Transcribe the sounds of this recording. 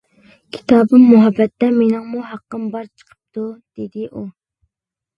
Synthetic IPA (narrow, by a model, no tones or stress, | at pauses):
kʲʰi̥t̪ʰɑːbɨmːuɦɑbːɛt̪ːɛmenɪŋmuɦɑqːəmbɑɾt͡ʃʰə̥qʰə̥p̚t̪ʰud̪̥ed̪ɪʔu